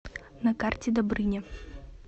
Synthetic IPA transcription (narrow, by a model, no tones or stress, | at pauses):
nɐkart͡sʲɛd̪abɾɨnʲɛ